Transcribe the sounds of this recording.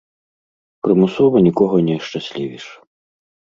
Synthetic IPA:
pɾɨmusɔvɐnʲikɔɣɐnʲɛʂt͡ʂasʲlʲivʲiʂ

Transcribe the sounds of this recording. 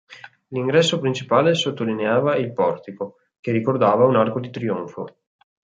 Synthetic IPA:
liŋɡɾɛsːopɾint͡ʃipaːlesot̪ːolineaːvailpɔrt̪iko | kerikord̪aːvaunarkod̪it̪ɾioɱfo̰

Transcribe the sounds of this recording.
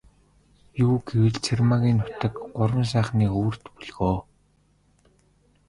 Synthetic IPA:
juːɡewɘ̆ɮt͡sʰermaɣʲiːnːʊ̥t̪ə̆kɢʊɾwə̆ns̬æːχniːxuːr̥t̪puɮɣoː

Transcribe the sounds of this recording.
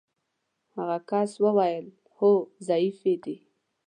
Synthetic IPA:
haɣakɑswəwajəl | hozɑifed̪e

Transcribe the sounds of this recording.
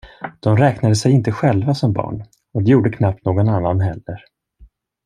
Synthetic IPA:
d̪̥ɔmɾɛːknad̪əsɛjɪnt̪əɧɛlvasɔmbɑ̰ːɳ | ɔd̪ɛjuːɖəkʰnap̚t̪noːɡɔnanːanɦɛlːəɾ

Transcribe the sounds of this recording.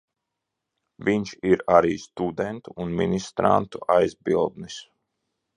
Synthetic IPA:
viɲʃiɾaɾiːst̪ud̪ɛnt̪uːnmḭnʲist̪ɾa̰nt̪uʔajzbilˠd̪nis

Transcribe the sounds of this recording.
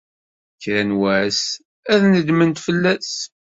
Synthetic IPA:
çɾænwæs | æðnəd̪mənt̪fəlːæs

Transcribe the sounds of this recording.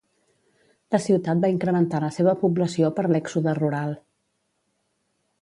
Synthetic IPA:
ləsiwt̪at̪̚baiŋkɾəmənt̪aləseβ̞əpubləsiopəɾlɛksuðəruɾalˠ

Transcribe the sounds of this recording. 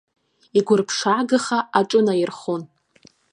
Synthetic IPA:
iɡʷʊrpʰʂaːɡɨχaaʈ͡ʂʼɨnajɪrχon

